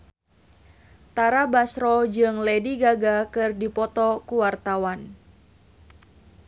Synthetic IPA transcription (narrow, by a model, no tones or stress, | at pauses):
t̪aɾabasɾɔd͡ʒɨŋlɛdiɡaɡakɨrdipɔt̪ɔkuwart̪awan